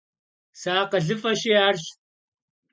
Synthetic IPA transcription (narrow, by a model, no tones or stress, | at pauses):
saːqɐɮifɐɕiaɾɕt̪̚